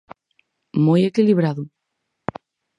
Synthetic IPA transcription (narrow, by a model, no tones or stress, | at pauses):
mojekiliβɾaðʊ